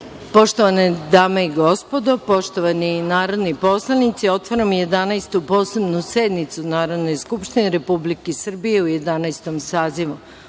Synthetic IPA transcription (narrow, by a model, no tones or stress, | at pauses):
po̞ʃt̪oʋaned̪aːmeiɡo̞spo̞d̪o̞po̞ʃt̪oʋaninaːɾo̞d̪nipo̞slˠanit̪sio̞t̪ʋoɾamje̞d̪anajst̪upo̞ːsebnused̪nit̪sunaːɾo̞d̪nejskupʃt̪ineɾe̞publikesr̩bije̞uje̞d̪anajst̪omsaːziʋu